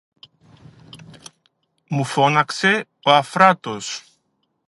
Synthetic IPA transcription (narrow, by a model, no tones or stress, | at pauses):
mufonakse | oafɾat̪os